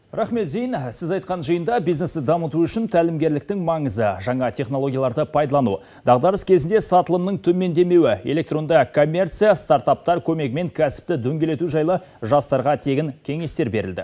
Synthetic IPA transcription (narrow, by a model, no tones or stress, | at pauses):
ɾɑχme̞t̪ʒejənsɪzɑjt̪̚qɑnʒəjənd̪ɑbijzne̞sɪd̪ɑmət̪uʏʃɪnt̪ʰælɪmɡʲe̞ɾlɪkt̪ɪŋmɑɴəzəʒɑɴɑt̪ʰe̞χno̞lˠo̞ɡʲjɑlˠɑɾd̪əpʰɑjd̪ɑlˠɑnu | d̪ɑʁd̪ɑɾəskʲʰe̞zɪnd̪e̞sɑt̪əlˠəmnəɴt̪ʰɵme̞nd̪e̞me̞wɪe̞lʲe̞k̚t̪ɾo̞nd̪ɑkʰo̞mʲːe̞rt̪sɨjast̪aɾt̪ɑp̚t̪ɑɾkʲʰɵme̞kme̞ŋkʲʰæsɪ̥p̚t̪ɪd̪ɵŋɡʲe̞le̞t̪uʒɑjlˠə | ʒɑst̪ɑɾʁɑt̪ʰe̞ɡʲɪŋkʲʰe̞ŋe̞st̪e̞ɾbe̞ɾɪld̪ɪ̰